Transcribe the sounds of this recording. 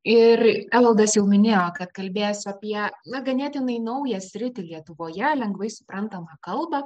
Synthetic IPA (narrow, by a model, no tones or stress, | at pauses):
ɪrælˠɐlˠd̪ɐsjɛʊmʲɪnʲeːjoːkɐt̪kɐlʲbʲeːjsʲʊɐːpʲiɛnɐɡɐnʲɛːt̪ʲɪnɐɪnɐʊjɛsʲɾʲɪt̪ʲɪlʲiɛt̪ʊʋoːjɛlʲɛŋɡʋɐɪsʊ̥pɾɐnt̪ɐmɐkɐlˠbɐ